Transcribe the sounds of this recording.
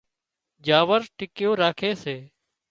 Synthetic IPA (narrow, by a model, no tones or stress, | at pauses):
d͡ʒaːʋəɾʈɪkjoːɾaːkʰeːseː